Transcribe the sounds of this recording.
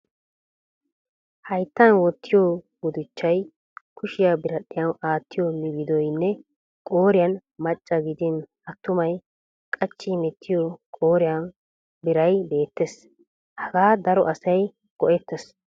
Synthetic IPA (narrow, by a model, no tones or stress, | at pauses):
hɐjt̪ːɐnwɔt̪ʰːɪjo | ɡʊd̪ɪt͡ʃːɐj | kʰʊʃɪjabɪɾɐɗɪjɐnaːt̪ːɪjomɪɡɪd̪ɔjnːɛ | kʼoːɾɪjɐnmɐt͡ʃʼːɐɡɪd̪ɪn | ɐt̪ːʊmɐj | kʼɐt͡ʃːɪmɛt̪ʰːɪjokʼo̞ːɾɪjɐn | bɪɾɐjbe̞ːt̪ːes | hɐɡaːd̪ɐɾɔʔɐsɐj | ɡ̥ɔʔɛt̪ːɛs